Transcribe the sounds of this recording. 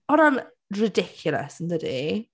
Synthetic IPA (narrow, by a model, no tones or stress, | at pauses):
əɾə̃n | ɹɪdɪkʰjʊlˠə̰sɪ̃n̩ðəde